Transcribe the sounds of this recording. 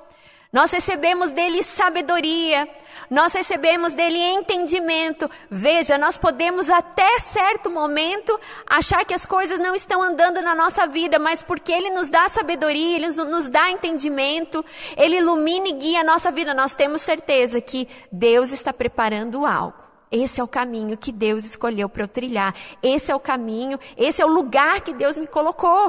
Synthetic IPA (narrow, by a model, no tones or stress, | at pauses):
nɔshesebẽmʊzd̪elɪsabed̪oɾiɐnɔshesebẽmʊzd̪elɪẽnt̪ẽnd͡ʒimẽnt̪ʊ | veʒɐnɔspod̪ẽmʊzat̪ɛsɛɾt̪ʊmomẽnt̪ʊaʃaɾkɪɐskojzɐznɐ̃w̃ɪst̪ɐ̃w̃ɐ̃nd̪ɐ̃nd̪ʊnɐnɔsɐvid̪ɐmɐspoɾkɪelɪnʊzd̪asabed̪oɾiɐelɪnʊzd̪aẽnt̪ẽnd͡ʒimẽnt̪ʊelɪilumĩnɪɡiɐɐnɔsɐvid̪ɐnɔst̪ẽmʊsːeɾt̪ezɐkʰɪd̪ewzɪst̪apɾepaɾɐ̃nd̪ʊa̰wɡʊ | esɪɛʊkamĩɲʊkɪd̪ewzɪskoʎewpɾɐwt̪ɾiʎaɾesɪɛʊkamĩɲʊesɪɛʊluɡaɾkɪd̪ewzmɪkolokow